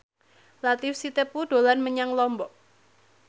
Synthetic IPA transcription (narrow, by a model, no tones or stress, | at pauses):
lat̪ifsit̪epud̥olanməɲaŋlɔmbɔʔ